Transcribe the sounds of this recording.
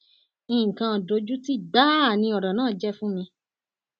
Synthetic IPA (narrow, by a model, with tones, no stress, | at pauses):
ĩ˦˨kã˧˨do˧˦d͡ʒu˦ti˦da˦˨nĩ˧ɔ˨ɾɔ˨nãː˦˨d͡ʒɛ˦fũ˦mĩ˧